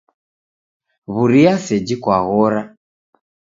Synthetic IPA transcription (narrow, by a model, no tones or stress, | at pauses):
βuɾiasɛd͡ʒikwaɣɔɾa